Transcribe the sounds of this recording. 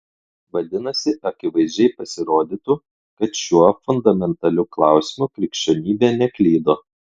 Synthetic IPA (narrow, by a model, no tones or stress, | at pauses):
ʋɐd̪ʲɪnɐsʲɪʔɐkʲɪʋɐɪzʲd͡ʒʲɛɪpɐsʲɪɾoːd̪ʲit̪uːˑ | kɐt̪ʃʲuɔfʊnd̪ɐmʲɛnt̪ɐlʲuːklˠɑˑʊsʲɪmukɾʲɪkʃʲt͡ʃʲonʲiːbʲeːnʲɛklʲiːd̪oː